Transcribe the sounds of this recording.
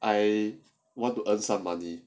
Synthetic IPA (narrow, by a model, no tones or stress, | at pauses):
ʔaj | wɔ̃ntuʔə̃nsãmːani